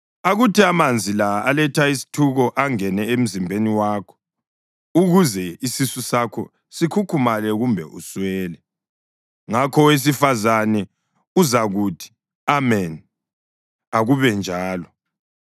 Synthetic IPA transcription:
aɣutʰiamand͡zʱilaalɛtʰaisi̥tʰuɣɔʔaŋɛnɛem̩zimbʱeniwaːkʰɔ̥ | uɣuzɛisisusakʰɔ̰ | sikʰukʰumalɛɣumbʱɛʔṵswɛːlɛ | ŋakʰɔwes̬ifazanɛ | uzaɣuːtʰi̥ | amɛn | aɣuβɛnd͡ʒʱaːlɔ

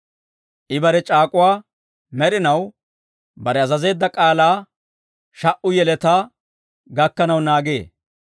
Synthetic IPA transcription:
ʔɪbɐɾɛt͡ʃʼaːkʼʊwaː | mɛɾɪnɐw | bɐɾɛɐzɐze̞ːd̪ːɐkʼaːlaː | ʃɐʔʊjɛlɛt̪aː | ɡɐkːɐnɐwnaːɡḛː

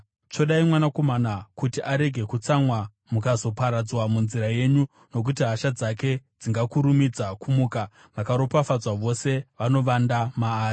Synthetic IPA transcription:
t͡ʃo̞ɗaimwanako̞manakutiʔaɾe̞ɡʱe̞kut͡samwa | mukazo̞paɾad͡zwamunziɾaje̞ɲu | no̞k̬ut̬iɦaʃad͡zake̞d͡ziŋɡakuɾumid͡zakumuːka | ʋakaɾo̞pafad͡zwaʋo̞se̞ʋano̞ʋandamaːri

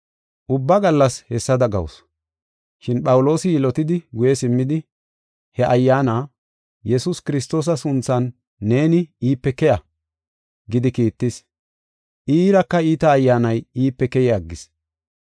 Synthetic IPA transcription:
ʔʊbːɐɡɐlːɐshɛsːɐd̪ɐɡɐ̰w̰s | ʃɪnɓɐwʊlo̞ːsɪjɪlɔt̪ɪd̪ɪɡʊjɛsɪmːɪd̪ɪ | hɛʔɐjːaːnaː | jɛsʊskɪɾɪs̬t̪o̞ːs̬ɐsʊnt͡sːɐnː | e̞ːnɪiːpːɛkɛjɐ | ɡɪd̪ɪkiːt̪ːɪs | ʔiːɾɐkːɐiːt̪ɐːjːaːnɐjiːpːɛkɛjɪaɡːɪs

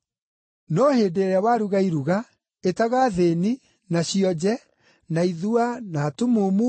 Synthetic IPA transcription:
nɔhedeɾeawaːɾuɣaiɾuɣa | etaɣaðeni | naɕiɔd͡ʑɛ | naiðuanaːtumumu

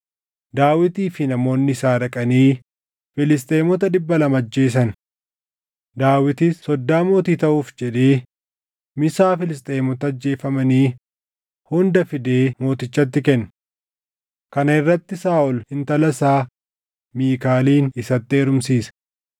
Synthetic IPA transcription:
d̪aːwɪt̪iːfɪnɐmo̞ːnːɪɪsaːɾɐkʼɐniː | fɪlɪs̬t̪ʼe̞ːmɔt̪ɐᶑɪbːɐlɐmɐd͡ʒːe̞ːs̬ɐn | d̪aːwɪt̪ɪsːɔd̪ːaːmo̞ːt̪iːt̪ɐʔuːfd͡ʒɛᶑeː | mɪsaːfɪlɪst̪ʼeːmɔt̪ɐɐd͡ʒːe̞ːfɐmɐniː | hʊnd̪ɐfɪd̪e̞ːmo̞ːt̪ɪt͡ʃːɐt̪ːɪkɛnː | kɐnɐɪrːɐt̪ːɪsaːʔɔlhɪnt̪ɐlɐsaː | miːkaːliːnɪsɐt̪ːɪːɾʊmsiːsɐ̥

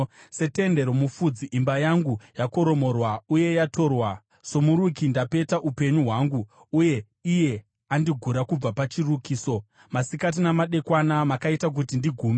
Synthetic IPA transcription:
se̞te̞nde̞ɾo̞mufud͡ziʔimbajaŋɡujako̞ɾo̞mo̞rwauje̞jatʰo̞ːrwa | so̞muɾukindape̞taʔupe̞ɲuɦwaːŋɡuː | je̞ | ije̞ | andiɡʱuɾakub͡vapat͡ʃirukiːso̞ | masikat̬inamaɗe̞kwanamakaitak̬utindiɡʱuːme

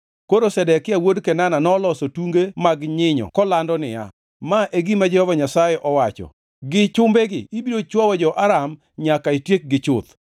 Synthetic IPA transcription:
koɾosɛdɛkɪawodkɛnananɔlɔsotuŋɡemaɡɲɪɲɔ̰kɔlandɔnɪ̰ja̰ | maʔeɡimad͡ʒɛhɔvaɲasajɛʔɔwat͡ʃɔ̰ | ɡɪt͡ʃʊmbeɡɪ̰ibiɾot͡ʃwɔwɔd͡ʒɔʔaɾam | ɲakaitjek̚ɡɪt͡ʃʊt̪

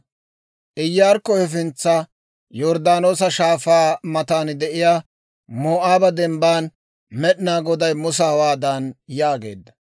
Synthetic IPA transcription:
ʔɪjːaːɾkːɔhɛf̬ɪnt͡sːɐ | jɔɾd̪aːnoːsɐʃaːfaːmɐt̪aːnd̪ɛʔɪjaː | moːʔaːbɐd̪ɛmbaːn | mɛɗnaːɡɔd̪ɐjmʊs̬ɐhɐwaːd̪ɐnjaːɡe̞̰ːd̪ːɐ̥

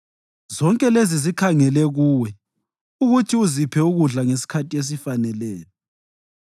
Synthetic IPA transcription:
zɔŋkʼɛlezizikʰaŋɛlɛɣuːwɛ | uɣutʰiuzipʰɛuɣuɮaŋes̬i̥kʰatʰʼies̬ifanɛlɛːlɔ

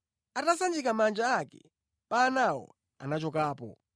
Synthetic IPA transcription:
atasand͡ʒikamand͡ʒaːkɛ̰ | paːnawɔ̰ | a̰nat͡ʃɔkaːpɔ̰

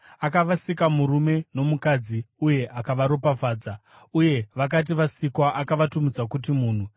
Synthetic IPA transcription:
akaʋasikamuɾume̞no̞mukad͡ziuje̞ʔakaʋaɾo̞pavaːd͡za | uje̞ʋak̬at̬iʋasikwaʔakaʋatumid͡zakut̬imuːn̤u

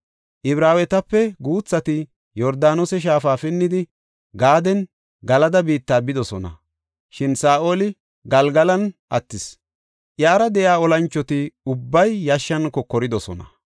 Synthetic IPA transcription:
ʔɪbɾaːwɛt̪ɐpːɛɡuːt͡sːɐt̪ɪ | jɔɾd̪aːnosɛʃ̬aːfaːfɪnːɪd̪ɪ | ɡaːd̪ɛn | ɡɐlɐd̪ɐbiːt̪ːaːbɪd̪ɔsɔnɐ̰ | ʃɪnsaːʔoːlɪ | ɡɐlɡɐlɐnʔɐt̪ːɪs | ʔjaːɾɐd̪ɛjaːɔlɐnt͡ʃːɔt̪ɪʊbːɐjːɐʃːɐnkɔkɔɾɪd̪ɔsɔ̰nɐ̰

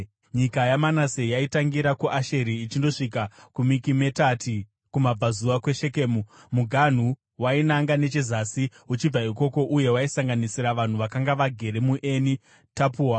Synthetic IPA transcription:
ɲikajamanase̞jaitaŋɡiɾakuʔaʃe̞ɾiːt͡ʃindo̞ʂik̬akumikime̞tatʰi | kumab͡vazuʋakwe̞ʃe̞keːmumuɡʱan̤u | wainaŋɡane̞t͡ʃezasi | ut͡ʃib͡vaiko̞ko̞ʔuje̞waisaŋɡanisiɾaʋan̤uʋakaŋɡaʋaɡʱe̞ɾe̞muʔeni | tapuːwa

